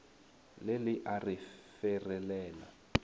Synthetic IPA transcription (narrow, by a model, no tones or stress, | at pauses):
lɪlɪʔarɪfɛrɛlɛːla